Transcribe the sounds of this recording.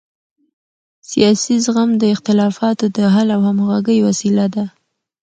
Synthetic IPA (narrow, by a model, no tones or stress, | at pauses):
sijɑsizɣamd̪əɪxt̪ɪlɑfɑt̪od̪əɦalawhamɣaɡəjwasilad̪a